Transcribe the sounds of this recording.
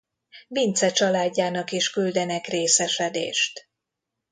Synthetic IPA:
vint̪sɛt͡ʃɒlaːɟːaːnɒkiʃkyld̪ɛnɛkreːsɛʃɛd̪ḛːʃt̪

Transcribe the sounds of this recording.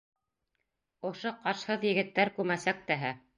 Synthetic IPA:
ŏʃoqɑɾʃhɤðjɘ̆ɡɘ̆t̪ːæɾkʉɾmæsæk̚t̪æɦæ

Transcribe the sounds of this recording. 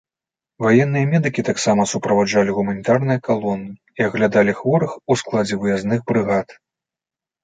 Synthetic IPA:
vajɛn̪ːɨjɐmʲɛd̪ɨkʲit̪aksamɐsupɾɐvad͡ʐalʲiɣumɐnʲit̪arnɨjɐkalˠɔnːɨ | iɐɣlʲad̪alʲixvɔɾɨxusklˠad͡zʲɛvɨjaznɨɣbɾɨɣat̪

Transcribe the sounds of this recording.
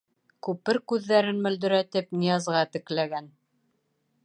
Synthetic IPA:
kʉpɘɾkʉðːæɾɘnmɵ̆ld̪ɵ̆ɾæt̪ɘpnijɑzʁɑt̪ɘ̆klæɡæn

